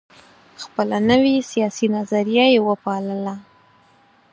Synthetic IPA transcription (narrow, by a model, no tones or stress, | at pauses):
xpəlanəwisijɑsinazaɾijajewəpɑləla